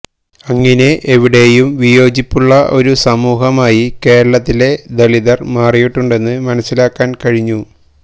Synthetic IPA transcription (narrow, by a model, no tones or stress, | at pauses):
ɐŋːɐne̞ʔeʋiɽe̞ːjumʋijo̞ːd͡ʑipːuɭːɐʔo̞ɾusɐmuːɦɐmaːjike̞ːɾɐɭɐt̪ːile̞d̪ɐɭiðɐrmaːrijiʈːuɳɖe̞nːɨmɐnɐsːilaːkːaːnkɐɻiɲːu